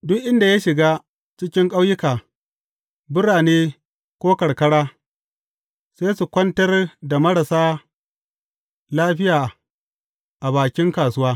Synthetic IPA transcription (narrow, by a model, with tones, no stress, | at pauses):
dʊ˦kʔɪ˦nda˨ja˦ʃɪ˨ɡaː˦ | t͡ʃɪ˦kʲɪ˦ŋkʼa˦wjɪ˦kaː˨ | bʊ˦ɽaː˨neː˦ | kʷoː˦kɐ˨ɽkɐ˦ɽaː˦ | seː˦su˨kʷɐ˦ntɐ˦rda˨mɐ˦ɽɐ˨saː˦ | laː˦ɸɪ˦jaː˨ | ʔa˨baː˨kʲɪ˦ŋkaː˨sʊ˦waː˦